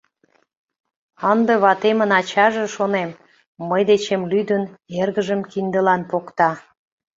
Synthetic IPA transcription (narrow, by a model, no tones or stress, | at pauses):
ənd̪eβɑt̪emənɑt͡ɕɑʒeʃonemː | əjd̪et͡ɕemlyd̪ənerɣəʒəmkind̪əlɑnpokt̪ɑ